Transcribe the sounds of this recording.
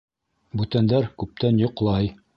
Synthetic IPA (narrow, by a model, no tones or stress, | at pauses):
bʉt̪ænd̪æɾkʉp̚t̪ænjŏqlˠɑj